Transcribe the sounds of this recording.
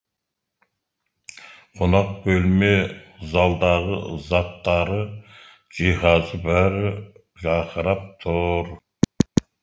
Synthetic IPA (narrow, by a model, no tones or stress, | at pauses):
qʰonɑq̚bɵlmezɑlˠd̪ɑʁə̰zɑt̪ːɑɾə | d͡ʒiɦɑzəbæɾɪ | ʒɑqʰəɾɑp̚t̪ʰʊɾ